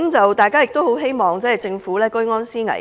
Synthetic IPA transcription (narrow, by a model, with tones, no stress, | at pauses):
mt͡sɐ˨wt̪aː˨˩jkaː˥jɪ˨k̚t̪o˥who˨˥wɦe˥jmɔː˨˩ŋt͡sɛː˥˨˩t͡sɪ˧ŋfuː˨˥lɛː˥kɵ˥ŋɔː˥nsiː˥ŋɐ̰˨˩